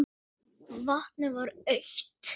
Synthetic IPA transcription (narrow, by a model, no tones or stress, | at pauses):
vaht̪nɪvaɾœɥçt̪